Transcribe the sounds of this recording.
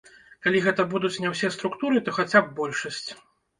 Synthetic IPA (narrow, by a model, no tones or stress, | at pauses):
kalʲiɣɛt̪ɐbud̪ut͡sʲnʲɛwsʲɛst̪ɾukt̪uɾɨt̪ɔxat͡sʲab̚ːɔlʲʂɐsʲt͡sʲ